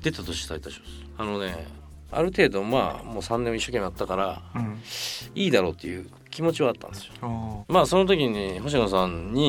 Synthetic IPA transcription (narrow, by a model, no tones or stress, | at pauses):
d̪̥e̞t̪at̪o̞ɕi̥t̪ait̪ːaɕimas | ano̞ne̞ | a̰ɾɯ̟t̪e̞ːd̪o̞ma̰ːmo̞ːsãnːẽmiɕːo̞ke̞mʲːiat̪ːakaɾa | iːd̪aɾo̞ːt̪ːe̞jɯ̟ː | kʲimo̞t͡ɕiβaːt̪ːã̰nd̪e̞sɨomaːso̞not̪̬o̞kʲiɲ̟iɦo̞ɕ̬inos̬ãɲɲi